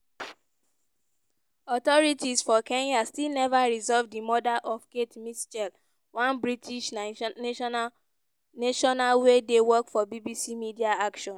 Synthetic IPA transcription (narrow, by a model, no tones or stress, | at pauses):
ɔtɔɹitʰisfɔkɛ̃njastilnɛvaɹizɔvdimɔdaʔɔfketmist͡ʃɛl | wãnbɹitʰiʃ | neʃɔnalwedewɔkfɔbibisimidiaakʃɔ̃n